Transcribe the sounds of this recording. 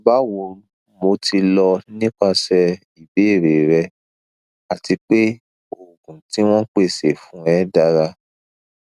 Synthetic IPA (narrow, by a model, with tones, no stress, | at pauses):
ba˦wo˧ɾu˦ | mo˧tʰi˧lɔ˧nĩ˦k͡pa˧sɛ˧ | i˨be˨˦e˦˨ɾe˨ɾɛ˧ | a˨ti˧k͡pe˦ | o˨ɡũ˨ti˦w̃ɔ̃˦k͡pe˦˨se˨fũ˨˦ɛ˦da˧ɾa˧